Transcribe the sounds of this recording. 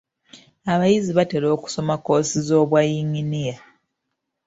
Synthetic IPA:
aβajiziβate̞lo̞ːku̥so̞mako̞ːsizo̞ːβwajiɲinija

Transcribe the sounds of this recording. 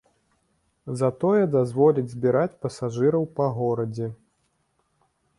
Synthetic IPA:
zɐt̪ɔjɛd̪azvɔlʲid͡zʲzʲbʲiɾat͡sʲpɐsaʐɨɾɐwpɐɣɔɾɐd͡zʲɛ

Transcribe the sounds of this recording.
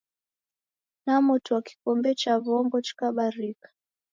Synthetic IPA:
namutuwaki̥kɔmbɛt͡ʃaβɔŋɡɔt͡ʃi̥kaɓaɾikḁ

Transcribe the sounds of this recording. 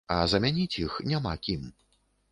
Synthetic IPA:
ɐzɐmʲanʲit͡sʲjixnʲama̰kʲim

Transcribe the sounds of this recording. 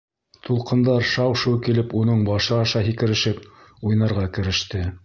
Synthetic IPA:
t̪ʰulˠqɤ̆nd̪ɑɾʃɑwʃuwkilɘpunɤɴbɑʃɤɑʃɑɦikɘ̆ɾɘ̆ʃɘp̚ | ujnɑɾʁɑkɘ̆ɾɘ̆ʃt̪ɘ

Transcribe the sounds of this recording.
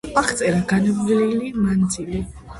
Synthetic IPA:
aχt̪sʼɛɾaɡanabililimand̪zili

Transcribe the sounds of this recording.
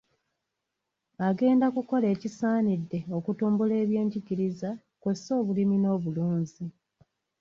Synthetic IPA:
aɡe̞ːndakuko̞le̞ːcisaːnidːe̞o̞kutuːmbule̞ːβje̞ːɲɟiɟiɾiza | kwesːo̞ːβulimino̞ːβuluːɲzi

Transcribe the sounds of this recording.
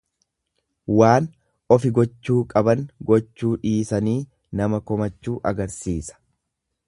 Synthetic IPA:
waːn | ɔfɪɡɔt͡ʃːuːkʼɐbɐnɡɔt͡ʃːuːᶑiːsɐniː | nɐmɐkɔmɐt͡ʃːuːʔɐɡɐɾsiːsɐ̥

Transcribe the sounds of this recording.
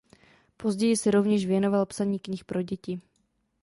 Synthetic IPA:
po̞zɟɛjɪsɛɾovɲɛʃvjɛno̞valpsaɲiːkɲɪxpɾo̞ɟɛcɪ

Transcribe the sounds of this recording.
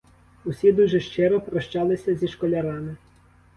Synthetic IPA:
ʊsʲid̪uʒɛʃt͡ʃɪɾɔpɾɔʃt͡ʃɑlˠɪsʲɐzʲiʃkɔlʲɐɾɑmɪ

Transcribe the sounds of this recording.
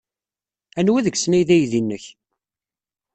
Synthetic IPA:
ænwæðəɡsnæjðæjðinːəç

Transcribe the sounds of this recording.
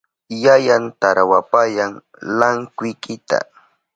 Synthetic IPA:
jajant̪aɾawapajaŋ | laŋkʊjkɪt̪a̰

